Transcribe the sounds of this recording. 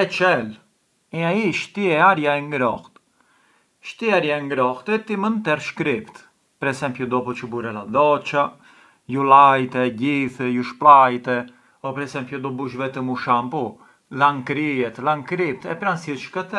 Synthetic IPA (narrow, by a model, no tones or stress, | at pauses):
ɛt͡ʃɛl | ɛaiʃt̪iɛaɾjaɛŋɡɾɔxt̪ | ʃt̪iaɾjaɛŋɡɾɔht̪ɛt̪imənt̪ɛɾʃkɾipt̪ | pɛɾɛsɛmpjud̪ɔpɔt͡ʃəbuɾɛlad̪ɔt͡ʃa | julajt̪ɛɟiθɛjuʃplajt̪ɛ | ɔpɛɾɛsɛmpjud̪ɔbuʃvɛt̪əmuʃampu | laŋkɾiɛt̪laŋkɾip̚t̪ɛpɾansiʃkət̪ɛ